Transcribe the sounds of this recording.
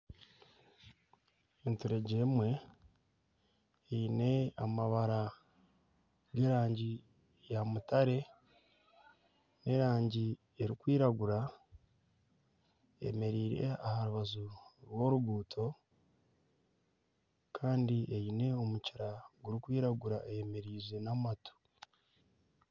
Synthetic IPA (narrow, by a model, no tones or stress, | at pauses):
entuɾe̞ɟemwe̞ | jine̞amaβaɾa | ɡe̞ːɾaːɲɟi | jamutaɾe̞ | ne̞ɾaːɲɟi | eɾikwiːɾaɡuɾa | e̞̰me̞ɾiːɾe̞̰ahaɾuβazuɾwo̞ɾuɡuːtʰo̞ | kʰaːndiʔejine̞o̞muciɾaɡuɾikwiːɾaɡuɾaejeme̞ɾiːze̞namatʰo̥